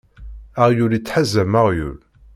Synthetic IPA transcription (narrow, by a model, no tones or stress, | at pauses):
aʁjulit͡sːħazːæmaʁjṵl